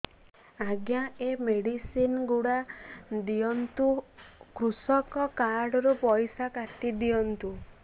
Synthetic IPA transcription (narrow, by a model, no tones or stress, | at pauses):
aɡjaemeɽisinɡuɽad̪ijɔnt̪ukɾusɔkɔkaɾɽɔɾupɔjsakat̪id̪ijɔnt̪u